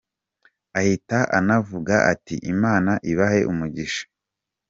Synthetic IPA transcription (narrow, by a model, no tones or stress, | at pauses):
ahitaʔa̰navuɡaʔatḭʔimaːnaʔiβahe̞ʔumuɟiʃḁ